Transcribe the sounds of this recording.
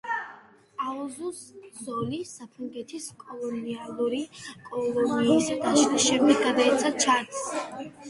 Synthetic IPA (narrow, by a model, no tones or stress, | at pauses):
aɔzusz̥ɔlisapʰɾaŋɡɛt̪ʰiskʼɔlˠɔnialˠuɾikʼɔlˠɔniːsad̪aʃaʃɛɾmiɡad̪aɛt̪sʰat͡ʃʰat̪s